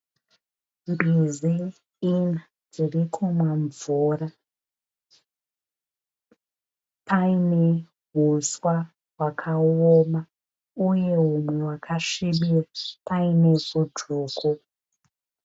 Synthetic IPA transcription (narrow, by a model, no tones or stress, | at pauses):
mbiziː | na | d͡zirikʰumwaɱvura | pʰaine̞ | ɦuswa | ɦwakʰaoma | uje̞umwe̞wakʰaʂiɓirapaine̞vudʱuːkʰu